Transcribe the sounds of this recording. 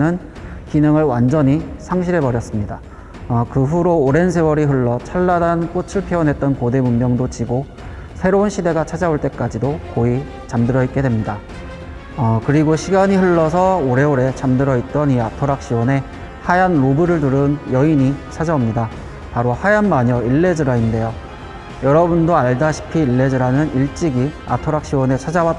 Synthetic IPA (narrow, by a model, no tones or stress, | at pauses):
nɯn | kinɯŋɯɭwand͡ʑʌɲisʰaŋɕʰiɾe̞pʌɾjʌs͈ɯmɲida | ʌkɯɸuɾoːɾe̞ns̬ʰe̞wʌɾiɸɯɭːʌt͡ɕʰaɭːadank͈ot͡ɕʰɯɭpʰjeʌnɦe̞t̚t͈ʌnkode̞mummːjʌŋdot͡ɕiɡo | sʰe̞ɾounɕʰide̞ɡat͡ɕʰad͡ʑaoɭt͈e̞k͈ad͡ʑidokoi | t͡ɕamdɯɾʌit̚k͈e̞dwe̞mɲida | ʌkɯɾiɡoɕʰiɡaɲiɸɯɭːʌsʰʌoɾe̞oɾe̞t͡ɕamdɯɾʌit̚t͈ʌniatʰoɾak̚ɕ͈iwʌne̞ | hajanɾobɯɾɯɭtuɾɯnjʌiɲit͡ɕʰad͡ʑaomɲida | paɾohajanmaɲʌiɭːe̞d͡ʑɯɾainde̞jo | jʌɾʌbundoaɭdaɕʰi̥pʰiːɭːe̞d͡ʑɯɾanɯniɭt͡ɕ͈iɡia̰tʰoɾak̚ɕ͈iwʌne̞t͡ɕʰad͡ʑawat͈